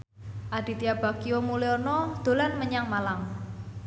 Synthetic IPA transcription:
ʔaɖ̪̥i̤t̪iab̥a̤kiomuleɔnɔd̪̥o̤lanməɲaŋmalaŋ

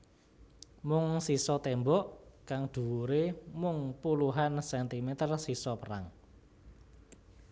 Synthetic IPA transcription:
mʊŋsisɔt̪ɛmbɔʔkaŋd̪̥ṳwuɾemʊŋpuluɦansɛnt̪imet̪ərsisɔpəɾa̰ŋ

